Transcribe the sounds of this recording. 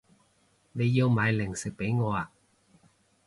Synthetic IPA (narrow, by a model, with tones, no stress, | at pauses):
ne˨˧jːi˧wmaː˨˧jlɪ˨˩ŋsɪ˨k̚pe˨˥jŋɔː˨˧a˨˩